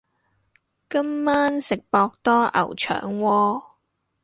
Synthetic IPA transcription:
kɐ˥mːaː˥nsɪ˨k̚pɔː˧k̚t̪ɔː˥ʔɐ̰˨˩wt͡ʃʰœ̰ː˨˩ŋwɔː˧

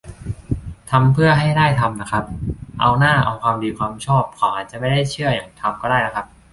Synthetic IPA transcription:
t̪ʰa˧mpʰɯ˥˩ɐɦa˥˩jdaː˥˩jt̪ʰa˧mna˦˥kʰa˦˥p̚ʔa̰˧wnaː˥˩ʔa̰˧wkwaː˧mdiː˧kʰwaː˧mt͡ɕʰɔː˥˩p̚kʰaɔː˨˩ʔaː˨˩t̪̚t͡ɕa˨˩ʔma˥˩jdaː˥˩jt͡ɕʰɯ˥˩ɐjaː˨˩ŋt̪ʰa˧mkɔː˥˩daː˥˩na˦˥kʰa˦˥p̚

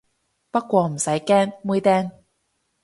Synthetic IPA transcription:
pɐ˥t̚kʷɔː˧m̩˨˩sɐ˨˥jkɛː˥ŋmu˥jt̪ɛː˥ŋ

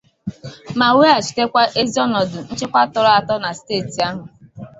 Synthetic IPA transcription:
ma˨we˦a˨t͡ʃi̥˨te˦kʷa˦ʔe˦zi˦ɔ˦nɔ˨dʊ˨n̩˦t͡ʃe˦kʷa˦tʊ˨ɾɔ˦a˨tɔ˦na˨steː˦˨ti˨a˦ɦʊ˨

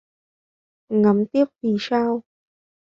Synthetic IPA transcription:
ŋa˨˦mt̪i˦˥əp̚vi˨˩saː˧w

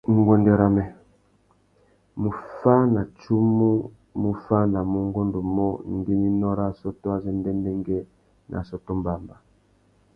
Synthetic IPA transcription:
ŋ˨ɡwɛ˨ndɛ˨ɾa˨mɛ˨ | mu˨fa˦na˨t͡ʃu˦mu˦ | mu˨fa˦na˨mu˦ŋɡo˦ndɔ˨mɔ˦ŋ˨ɡi˦mi˦nɔ˦ɾa˦˨sɔ˦tɔ˦a˨zɛ˦ndɛ˦ndɛ˦ŋɡɛ˦ | nʔa̰˨sɔ˦tɔ˦mba˨mba˨

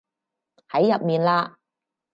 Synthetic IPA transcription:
hɐ˨˥jːɐ˨p̚miː˨nlaː˧

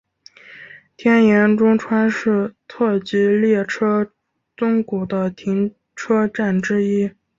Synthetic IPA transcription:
t̪ʰjɛ˥njɛ˧˥nʈ͡ʂʊ˥ŋʈ͡ʂʰwa˥nʂɻ̩˥˩t̪ʰɤ˥˩t͡ɕi˧˥ljɛ˥˩ʈ͡ʂʰɤ˥ | t͡sʊ˥ŋku˨˩d̪ə˦t̪ʰi˧˥ŋ | ʈ͡ʂʰɤ˥ʈ͡ʂa˥˩nʈ͡ʂɻ̩˥i˥

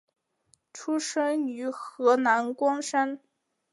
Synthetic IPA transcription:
ʈ͡ʂʰu˥ʂɤ˥ŋy˧˥xɤ˧˥na˧˥nkwɑ˥ŋʂa˥n

